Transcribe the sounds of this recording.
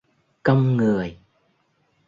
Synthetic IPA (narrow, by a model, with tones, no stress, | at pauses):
kə˧wŋ͡mŋɨ˨˩əj